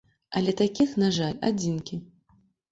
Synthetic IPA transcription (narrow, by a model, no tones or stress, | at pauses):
ɐlʲɛt̪akʲixnaʐalʲa̰d͡zʲinkʲi